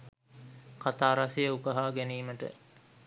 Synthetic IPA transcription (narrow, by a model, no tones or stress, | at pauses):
kat̪aːɾasejəukəɦaːɡeniːməʈə̰